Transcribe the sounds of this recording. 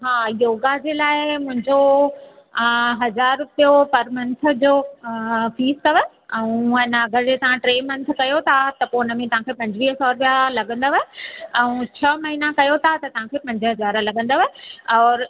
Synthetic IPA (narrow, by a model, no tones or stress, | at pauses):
ɦaːjoːɡad͡ʑeːlaːɪmʊ̃ɦɪ̃ɲd͡ʑo | ɦɐzaːɾʊpijopɐɾmɐ̃nt̪̆ʰd͡ʑoː | fiːskɐʋə | ɛ̃ũənəɐɡəɾd͡ʑeːt̪ɐʋ̤ãʈɾeːmɐ̃nt̪ʰkɐjot̪ʰat̪ɐpoːnəmẽt̪ɐʋ̤ãkʰeːpɐ̃ɲd͡ʑʋiːɦsɔːɾʋjalɐɡə̃n̆d̪oʋəɛ̃ũt͡ɕʰɐmɐɦinakɐjot̪ʰat̪ɐt̪ɐʋ̤ãkʰeːpɐ̃ɲd͡ʑəɦɐzaːɾlɐɠə̃nd̪oʋəɔːɾ